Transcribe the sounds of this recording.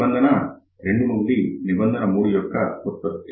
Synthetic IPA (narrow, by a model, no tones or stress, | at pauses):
ɐnd̪ʱɐnɐ | ɾeɳɖunulːinibɐnd̪ɐnɐmuːɽijɔkːɐkot̪ːɐɾt̪ː